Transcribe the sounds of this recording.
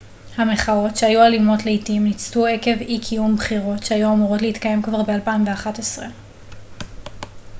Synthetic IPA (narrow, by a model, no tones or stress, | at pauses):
hame̞χao̞tʃeajualimo̞tleitimnit͡stue̞ke̞vikʰijumbχiʁo̞tʃeajuamuʁo̞tlehitkaje̞mkvaʁbealpaimveaχatesʁe